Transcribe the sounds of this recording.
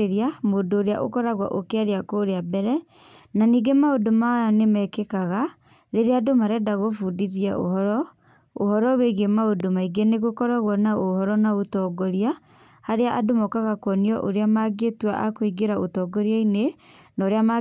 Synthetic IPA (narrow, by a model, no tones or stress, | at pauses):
eɾiamodoːɾeaʔo̰kɔɾaɣwa̰ʔokeaɾeakoɾeabɛɾɛ | naniːɡemaodomanemɛkekaɣa | ɾeɾeadomaɾɛdaɣofudiɾiaʔo̰hɔɾɔ | o̰hɔɾɔweɣemaodomaiɡeneɣokɔɾaɣwɔnaohɔɾɔnaotɔɡɔɾia | haɾeaʔadomɔkaɣakwɔniɔʔoɾeamaɡetuwaʔakoiɡeɾaotɔːɡɔɾiainenaːɾeama